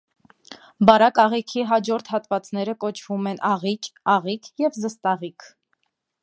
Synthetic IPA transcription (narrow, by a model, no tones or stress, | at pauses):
bɑɾɑkɑʁikʰiɦɑd͡ʒɔɾt̪ʰhɑt̪vɑt͡sn̪ɛɾəkɔt͡ʃʰvumɛnʔɑʁit͡ʃɑʁikʰjɛvzəst̪ɑʁikʰ